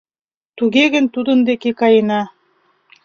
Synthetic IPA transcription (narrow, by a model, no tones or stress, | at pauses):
t̪uɣeɣɘ̆nt̪ud̪ɤ̆nd̪ekekɑjɤ̆nɑ